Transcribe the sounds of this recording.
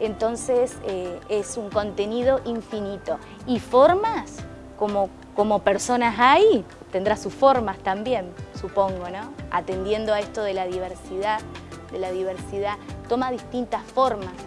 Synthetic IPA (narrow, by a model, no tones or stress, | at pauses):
ent̪o̞nseseesuŋko̞nt̪e̞niðo̞ʔiɱfinit̪o̞ | ifo̞ɾmas | ko̞mo | komopeɾso̞nasaj | t̪e̞nd̪ɾasusfo̞ɾmast̪ambje̞nsupo̞ŋɡo̞nõa̰t̪end̪je̞nd̪oaest̪o̞ðelaðiβ̞eɾsiðaðelaðiβ̞eɾsiðat̪omaðist̪int̪asfoɾmas